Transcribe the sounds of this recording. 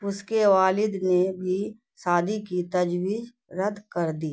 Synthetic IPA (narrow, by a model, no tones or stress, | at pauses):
ʊskeʋaːlɪd̪nebʱi | saːd̪ikit̪ɐd͡ʒwiːz | ɾəd̪kɐɾd̪iː